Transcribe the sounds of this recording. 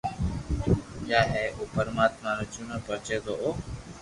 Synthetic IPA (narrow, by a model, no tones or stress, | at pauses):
kjaːɦɛːʔoːpəɾmaːt̪mãːɾət͡ʃuːnəːpəɾt͡ʃeːd̪oːʔoː